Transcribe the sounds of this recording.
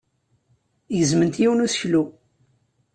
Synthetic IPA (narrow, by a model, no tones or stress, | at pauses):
jəzmənt̪jiwnusçlu